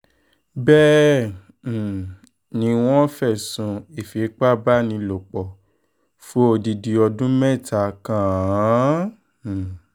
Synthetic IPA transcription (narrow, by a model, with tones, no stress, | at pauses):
bɛ˦˨ | nĩ˧w̃ɔ̃˦fɛ˦˨sũ˨˧e˨fi˨˦k͡pa˦˨ba˦nĩ˧lo˨k͡pɔ˨ | fo˦o˧˨di˧di˨ɔ˧dũ˦mɛ̃˦˨ta˨kã˨˦˨